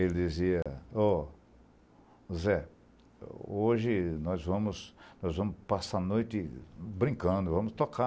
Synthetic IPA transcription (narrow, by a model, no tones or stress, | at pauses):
elɪd̪iziɐɔ | zɛ | oʒɪnɔzvɐ̃mʊsnɔzvɐ̃mʊspasanojt̪ɪbɾĩŋkɐ̃d̪ʊvɐ̃mʊst̪oka